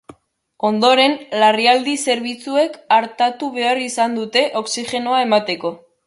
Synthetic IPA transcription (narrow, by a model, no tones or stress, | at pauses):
o̞nd̪o̞ɾe̞nlariald̪ise̞ɾβ̞it͡sue̞kaɾt̪at̪uβ̞e̞arisand̪ut̪e̞ʔo̞ksixe̞no̞ae̞mat̪e̞ko̞